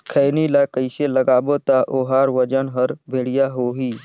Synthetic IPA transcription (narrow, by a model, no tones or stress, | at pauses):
kʰəːnilakəɪseləɡaːbot̪aʔoːɦaːɾwəd͡ʒənɦəɾbʱeɽ̤ijaɦoːɦiː